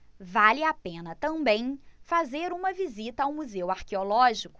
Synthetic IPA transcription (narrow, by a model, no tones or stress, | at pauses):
valɪapẽnɐt̪ɐ̃mbẽj̃fazeɾũmɐvizit̪ɐawmuzewaɾkeolɔʒikʊ̥